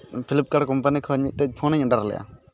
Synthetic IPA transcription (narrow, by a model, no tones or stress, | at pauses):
pʰilip̚kaɽkɔmpanikʰɔɲmit̪̚t̪əc̚pʰɔnəɲɔɳɖaɾlɛ̰ʔa̰